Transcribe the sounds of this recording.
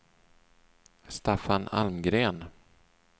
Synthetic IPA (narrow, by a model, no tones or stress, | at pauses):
st̪afana̰lmɡɾeːn